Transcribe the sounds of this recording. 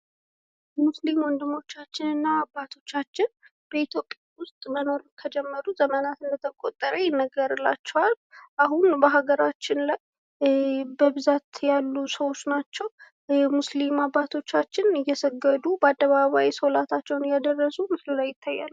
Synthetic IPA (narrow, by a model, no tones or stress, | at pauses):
muslimwɔnd̪ɨmo̞t͡ʃːat͡ʃːɪnɨnːaːbat̪ʰo̞t͡ʃːat͡ʃːɪn | b̥əit̪ʰjo̞pʼjawʊst̪ʼməno̞ɾkʰəd͡ʒɛmːəɾuzəmənat̪ɨnd̪ət̪ʰəkʼot̪ʼːəɾəjɛnːəɡəɾɨlːa̰t͡ʃːɛwal | ʔaɦunbəɦaɡəɾat͡ʃːɪnlaj | bəbɨzat̪jalːusəwo̞t͡ʃːnat͡ʃːɛw | muslimabːat̪ʰo̞t͡ʃːat͡ʃːɪnɨjːɛsəɡəd̪ubəad̪ːəβaβajsolat̪ʰat͡ʃːɛwnjad̪ərːəsumɨslimlajːɪt̪ʰːajːa̰lːu